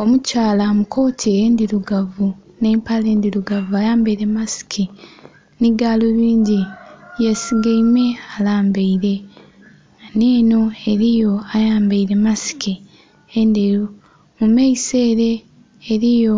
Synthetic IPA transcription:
o̞mucaːlamukʰo̞ːtʰieːndiɾuɡavune̞ːmpale̞ːndiɾuɡavuajaːmbeiɾe̞masi̥kʰi | niɡaːloβiːɲɟijasiɡaime̞alaːmbeiɾe̞ | neːno̞e̞ɾijo̞ajaːmbeiɾe̞masi̥ki | endeo | mumeise̞ːɾe̞ː | ɾijo̞

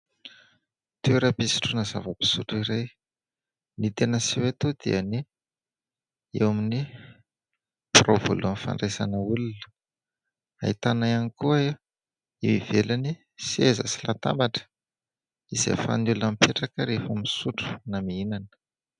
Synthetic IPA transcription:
t̪eɾapisi̥ʈ͡ʂunazavəpi̥suʈ͡ʂuiɾej | nit̪enəsiwet̪od̪eəni | ewamini | provo̰luənfa̰ɳɖ͡ʐesanəulunə̥ | a̰it̪anajanikuae | iwivelani | siezə̰silat̪a̰mbaʈ͡ʂə̥ | iz̥ḛfa̰nulunamipeʈ͡ʂakəɾefəmisuʈ͡ʂu̥namiinanə̥

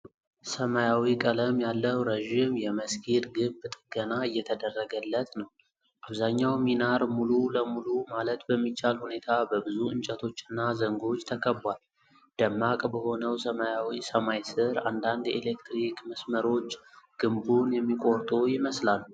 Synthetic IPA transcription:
səmajawikʼələmjalːəwɾəʒimjɛməskʰilɡɨmbt̪ʼɨɡ̥ənaɨjːɛt̪ʰəd̪ərːəɡəlːət̪nəw | ʔaβzaɲːawminaɾmululəmulumalət̪bəmːit͡ʃːalhune̞t̪ʰabəbɨzuɨnt͡ʃʼət̪ʰo̞t͡ʃːɨnːazəŋɡo̞t͡ʃːt̪ʰəkʰəbwal | d̪̥əmːakʼbəho̞nəwsəmajawisəmajsɨɾand̪and̪jelekt̪ɾikməsməɾo̞t͡ʃːɡ̥ɨmbunjɛmːikʼo̞ɾt̪ʼojɪməslal

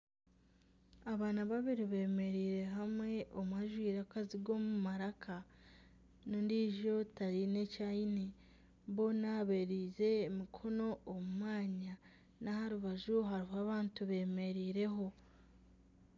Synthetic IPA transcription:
aβaːnaβaβiɾiβe̞ːme̞ɾiːɾe̞ɦamwe̞ʔommaʒwiːɾakaziɡo̞ːmumaɾakʰa | nondiːʒo̞taɾine̞caine | βo̞ːnaβeɾiːze̞ːmikʰo̞no̞ːmumaːɲa | nahaɾuβaʒuɦaɾiɦaβaːntuβe̞ːme̞ɾiːɾe̞ɦo̞

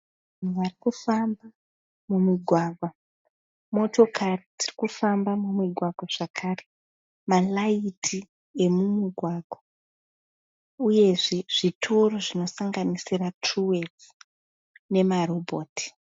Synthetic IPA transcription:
ŋarikufamba | mumiɡʱwaɡʱwa | mo̞to̞kʰaritʰirikufambamumiɡʱwaɡʱwaʐ̥akʰaːre | malaitʰi | e̞mumiɡʱwaɡʱwa | uje̞ʐeʐ̥itʰo̞ro̞ʐino̞saŋɡanisiratruwe̞d͡z | ne̞marobʱoːti̥

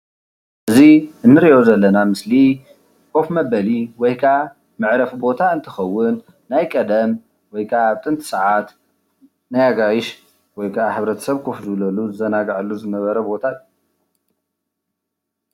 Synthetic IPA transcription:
ʔɨziʔɨnːɨɾijo̞zɐlːɐnamɨsli | kʰʼo̞fmɐbɐliwɔjkʰa | mɨʕɾɐfbo̞t̪ʰaɨnt̪ʰɨ̥xɐwːʊnː | ajkʼɐd̪ɐm | wɔjkʰat̪ʼɨnt̪ʰɨ̥sɐʕat̪ | najaɡajɪʃ | wɔjkʰaħɨβɾɐt̪ʰɐ̥sɐβkʰofzɨβlɐluzɨzɐnaɡʕalːuzɨnɐβɐɾɐbo̞t̪ʰatː

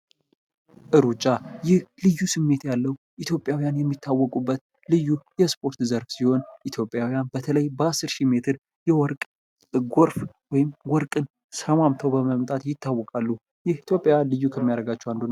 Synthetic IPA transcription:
ʔɨɾut͡ʃʼːajɪhlɨjːusɨmːe̞t̪jalːəw | ʔit̪ʰjo̞pʼjawijanjɛmːit̪ʰːawːɔkʼubːət̪ | lɨjːujɛspʰʼo̞ɾt̪zəɾfsiho̞nʔit̪ʰjo̞pʼjawijanbət̪ʰələjbəasːɨɾʃime̞t̪ʰɨɾ | jɛwɔɾkʼ | ɡoɾf | wɔjɪmwɔɾkʼɨn | səmamt̪ʰəwbəməmt̪ʼat̪jɪt̪ːawːɔkʼalːu | jɪhit̪ʰjo̞pʼjalɨjːukʰəmːijaɾəɡat͡ʃːɛwand̪on

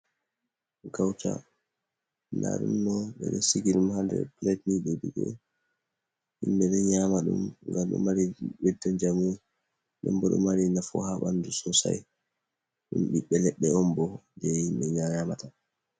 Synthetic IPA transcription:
ɡawta̰ | nda̰ɗṵmːɔɓɛ̰ɗɛsiɡiɗumhandɛ̰plɛtniɗɛduɡɛ̰ | himɓɛɗɛɲamaɗumŋɡamɗṵmaɾiɓɛdːand͡ʒamu | ɗɛmbɔɗṵmaɾinafɔ̰haɓandusɔsa̰j | ɗumɓiɓːɛlɛɓːɛɔmbɔd͡ʒɛhimɓɛɲaamata

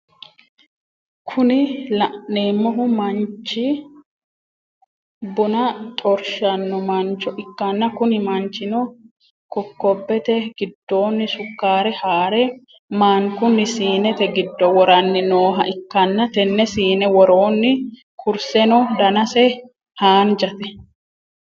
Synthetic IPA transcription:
kʰʊnɪlɐʔnneːmːɔɦʊmɐnt͡ʃːɪ | bʊnɐt̪ʼɔɾʃɐnːɔmɐnt͡ʃːɔʔɪkːɐnːɐkʊnɪmɐnt͡ʃɪnɔ | kɔkːɔbːɛt̪ɛɡɪd̪ːo̞ːnːɪsʊkːaːɾɛhaːɾɛ | maːŋkʊnːɪsiːnɛt̪ɛɡɪd̪ːɔwɔɾɐnːɪnoːɦɐʔɪkːɐnːɐt̪ɛnːɛsiːnɛwɔɾoːnːɪ | kʰʊɾsɛnɔd̪ɐnɐsɛ | haːnd͡ʒɐt̪ɛ

